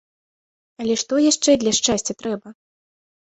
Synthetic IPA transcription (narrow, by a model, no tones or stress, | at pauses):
ɐlʲɛʂt̪ɔjaʂt͡ʂɛd̪lʲɐʂt͡ʂasʲt͡sʲɐt̪ɾɛbɐ